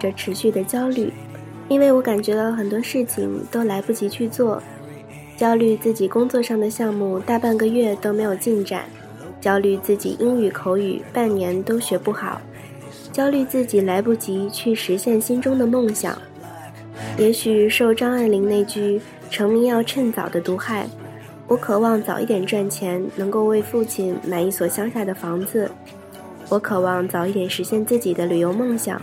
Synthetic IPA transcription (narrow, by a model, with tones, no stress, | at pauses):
ə˩ʈ͡ʂʰɻ̩˧˥ɕy˥˩d̪ə˩t͡ɕjɑ˥ʊly˥˩ | i˥nwe˥˩ɪwɔ˧˥ka˨˩nt͡ɕɥɛ˧˥t̪ɑ˥˩ʊxə˨˩nt̪wɔ˥ʂɻ̩˥˩t͡ɕʰḭ˨˩ŋt̪o˥ʊla˧˥ɪpu˥˩t͡ɕi˧˥t͡ɕʰy˥˧t͡swɔ˥˩ | t͡ɕjɑ˥ʊly˥˧t͡sɹ̩˥˩t͡ɕi˨˩kʊ˥ŋt͡swɔ˥˧ʂɑ˥˩ŋd̪ə˩ɕjɑ˥˧ŋmu˥˧t̪a˥˧pa˥˩nɡə˨˩ɥɛ˥˩t̪o˥ʊme˧˥ɪjo˨˩ʊt͡ɕi˥˩nʈ͡ʂa̰˨˩˦n | t͡ɕjɑ˥ʊly˥˧t͡sɹ̩˥˩t͡ɕḭ˨˩ʔi˥ŋy˨˩kʰo˧˥ʊy̰˨˩pa˥˩nnjɛ˧˥nt̪o˥ʊɕɥɛ˧˥pu˥˩xɑ̰˨˩˦ʊ | t͡ɕjɑ˥ʊly˥˧t͡sɹ̩˥˩t͡ɕi˨˩la˧˥ɪpu˥˩t͡ɕi˧˥t͡ɕʰy˥˩ʂɻ̩˧˥ɕjɛ˥˩nɕi˥nʈ͡ʂʊ˥ŋd̪ə˨mo˥˩ŋɕjɑ̰˨˩˦ŋ | jɛ˧˥ɕy˨˩ʂo˥˩ʊʈ͡ʂɑ˥ŋa˥˩ɪli˧˥ŋne˥˩ɪt͡ɕy˥ | ʈ͡ʂʰɤ˧˥ŋmi˥ŋjɑ˥˧ʊʈ͡ʂʰə˥˩nt͡sɑ̰˨˩ʊd̪ə˦t̪u˧˥xa˥˩ɪ | wʔɔ˧˥kʰɤ˨˩wɑ˥˩ŋt͡sɑ˨˩ʊi˥˩t̪jɛ˨˩nʈ͡ʂwa˥˩nt͡ɕʰjɛ˧˥nnɤ˧˥ŋko˥˧ʊwe˥˧ɪfu˥˧t͡ɕʰi˥˩nma˨˩ɪi˥˩swɔ˨˩ɕjɑ˥ŋɕja˥˩d̪ə˩fɑ˧˥ŋd͡zɹ̩˧ | wɔ˧˥kʰɤ˨˩wɑ˥˩ŋt͡sɑ˨˩ʊi˥˩t̪jɛ˨˩nʂɻ̩˧˥ɕjɛ˥˧nt͡sɹ̩˥˩t͡ɕi˨˩d̪ə˦ly˨˩jo˧˥ʊmɤ˥˩ŋɕjɑ̰˨˩˦ŋ